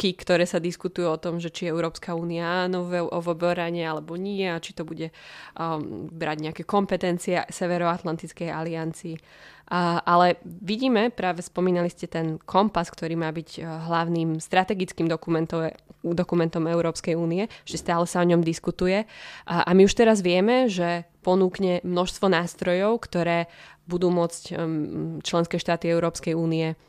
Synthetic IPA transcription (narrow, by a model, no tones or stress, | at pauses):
kikt̪ɔɾɛːsad̪iskut̪ujuɔt̪ɔmʒɛt͡ʃiɛʊɾɔːpskauːniaaːnɔɛɔʋɔbɔɾaɲɛalɛbɔɲɪɛat͡ʃi̥t̪ɔbuɟɛ | bɾaɟɲɛakɛkɔmpɛt̪ɛnt͡siɛsɛʋɛɾɔat̪lant̪it͡skɛjaliant͡siː | ʔʔalɛʋiɟiːmɛpɾaːʋɛspɔmiːnaliscɛt̪ɛnkʰɔmpaskt̪ɔɾiːmaːbiɟɦlaʊniːmst̪ɾat̪ɛɡit͡skiːmd̪ɔkumɛnt̪ɔd̪ɔkumɛnt̪ɔmɛʊɾɔːpskɛjuːniɛɛʒ̥ɛst̪aːlɛsaɔɲɔmd̪iskut̪ujɛʔamiuʃt̪ɛɾazʋɪɛmɛʒɛpɔnuːkɲɛmnɔʃst̪ʋɔnaːst̪ɾɔjɔʊkt̪ɔɾɛːbud̪uːmʊɔt͡sc | t͡ʃlɛnskɛːʃt̪aːt̪iɛʊɾɔːpskɛjuːniɛ